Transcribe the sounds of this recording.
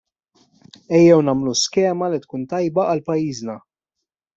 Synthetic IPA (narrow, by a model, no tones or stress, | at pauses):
ɛjːɛwnɐːmluskɛːmɐlit̪kuːnt̪ɐjbɐʔɐlpɐjːiːznɐ